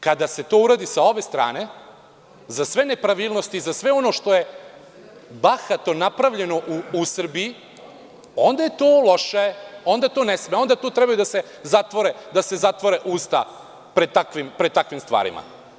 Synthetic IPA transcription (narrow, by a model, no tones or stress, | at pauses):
kad̪ase̞t̪oːuɾaːd̪isao̞be̞st̪ɾa̰ːne̞ | zasʋe̞ne̞pɾaʋiːlˠnost̪iːzasʋe̞o̞no̞ʃt̪o̞je̞ | baxat̪o̞napɾaʋʎe̞no̞ʔuːsr̩bii | o̞nd̪aje̞t̪oːlo̞ʃeo̞nd̪aet̪oːnesmeo̞nd̪at̪oːt̪ɾebajud̪ase̞ | zat̪ʋo̞ɾed̪ase̞zat̪ʋo̞ɾeʔuːst̪a̰ | pɾed̪̚t̪akʋimpɾet̪akʋimst̪ʋa̰ːɾḭma̰